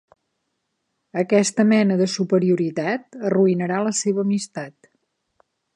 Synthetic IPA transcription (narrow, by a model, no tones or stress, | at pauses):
əkɛst̪əmɛnəðəsupəɾiuɾit̪at̪əruinəɾaləseβəːmist̪at̪̚